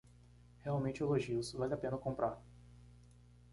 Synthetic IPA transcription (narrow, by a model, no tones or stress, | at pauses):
heawmẽnt͡ʃɪeloʒiusvalɪapẽnɐkõmpɾʔaɾ